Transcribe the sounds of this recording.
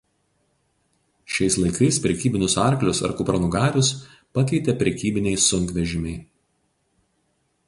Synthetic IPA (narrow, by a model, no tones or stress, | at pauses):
ʃʲɛɪslˠɐɪkɐɪspʲɾʲɛkʲiːbʲɪnʲʊsɑˑɾklʲʊsɐ̰ɾkʊpɾɐnʊɡɑːɾʲʊs | pɐkʲɛɪt̪ʲɛpʲɾʲɛkʲiːbʲɪnʲɛɪsʊŋʲkʋʲɛʒʲɪmʲɛɪ